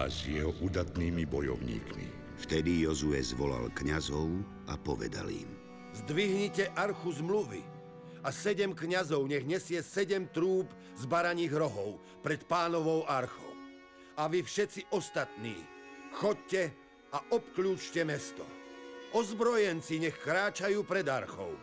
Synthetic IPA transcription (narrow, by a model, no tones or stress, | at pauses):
a̰zjɛɦɔʔud̪at̪niːmibɔjɔ̰ʊɲḭːkmḭ | ft̪ɛd̪ijɔzuɛzʋɔla̰lkɲazɔʊ | ʔapɔʋɛ̰d̪a̰lḭm | zd̪ʋiɦɲicɛʔaɾxuzmluʋḭ | asɛɟɛmkɲazɔʊɲɛɣɲɛsɪɛsɛɟɛmt̪ɾuːb | zbaɾaɲiːɣɾɔɦɔʊ | pɾɛt̪paːnɔʋɔʊaɾxɔ̰ʊ | aʋifʃɛt͡siʔɔst̪at̪nḭː | xɔc̚cɛ | aʔɔpkʎuːt͡ʃcɛmɛst̪ɔ̰ʔɔzbɾɔjɛnt͡siɲɛxkɾaːt͡ʃajuːpɾɛd̪aɾxɔ̰ʊ